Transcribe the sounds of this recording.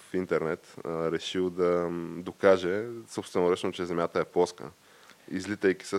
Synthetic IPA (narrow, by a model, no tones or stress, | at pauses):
fint̪ɛɾnɛt̪ɾɛʃilˠd̪ɐd̪okaʒɛsopst̪vɛnoɾət͡ʃnot͡ʃɛzɛmjat̪əɛpɔskə̰ | izlit̪əjkʲi̥sə